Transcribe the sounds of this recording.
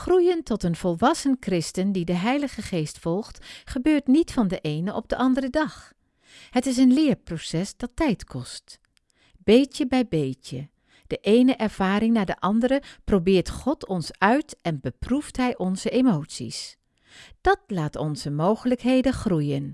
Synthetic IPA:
χrujəntɔtənvɔlˠʋɑsənkrɪstəndidəɦɛjləχəχejstfɔlˠχtχəbøːɹtnitfɑndəʔejnəʔɔ̰b̚dəʔɑndərədɑχ | hətɪs̬ənlɪːɹprosɛsd̥ɑtːɛjtkʰɔst | b̥ejtəbɛjbejcə | d̥əʔejnəʔɛɹv̥aːɾɪŋnaːɹdəʔɑndəɾəprowbɪːɹtχɔtʰɔnsœɥtɛnbəpruftɦɛjʔɔnzəʔemowtsḭs | d̥ɑtlaːtɔ̰nz̥əmowχələkɦejdəχrujən

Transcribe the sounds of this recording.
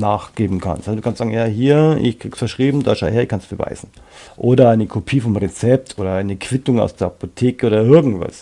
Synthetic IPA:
naːχɡ̥eːbm̩kʰa̰nstadukanstzaːɡŋ̩jaːɦiːɐɪ̰çkʁ̥iːɡksfɐʃʁ̥iːbm̩daːʃaʊheɐɪçkʰansb̥əva̰ɪzn̩ | ʔoːdɐaɪnəkʰopʰiːfɔmʁet͡sɛp̚tʰʔoːɾɐaɪnəkʰv̥ɪtʊŋa̰ʊsd̥eːɐapotʰeːkəʔoːdɐɪɐɡŋ̩tv̥a̰s

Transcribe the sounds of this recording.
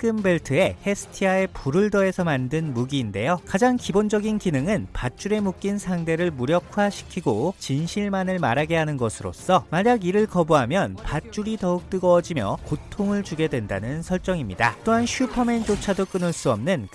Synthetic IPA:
k͈ɯmbe̞ɭtʰɯe̞he̞sʰɯ̥tʰiae̞puɾɯɭdʌe̞sʰʌmandɯnmuɡiːnde̞jokad͡ʑaŋkibond͡ʑʌɡinkinɯŋɯnpat͡ɕ͈uɾe̞muk̚k͈insʰaŋde̞ɾɯɭmuɾjʌkʰwaɕʰi̥kʰiɡot͡ɕinɕʰiɭmanɯɭmaɾaɡe̞ɦanɯnɡʌsʰɯɾo̰s͈ʌmaɲaɡiɾɯɭkʌbuɦamjʌnpat̚t͡ɕ͈uɾitʌuk̚t͈ɯɡʌd͡ʑimjʌkotʰoŋɯɭt͡ɕuɡe̞dwe̞nda̰nɯnsʰʌɭt͡ɕ͈ʌŋimɲidat͈oɦanɕʰupʰʌme̞nt͡ɕ͈ot͡ɕʰadok͈ɯnɯɭs͈uʌmnɯn

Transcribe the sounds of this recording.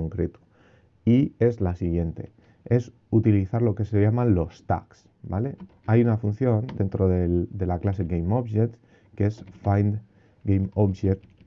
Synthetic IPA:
oŋkɾet̪u̥ | ie̞zlasiɣje̞nt̪e̞̰ | e̞s | ut̪iliθaɾlo̞ke̞sejamãnlo̞st̪a̰ks | ba̰le̞ | ajunafun̟θjo̞nd̪e̞nt̪ɾoðeld̪e̞laklase̞ɡejmoβʒet̪ | kesfajnd̪ | ɡejmoβʃet̪

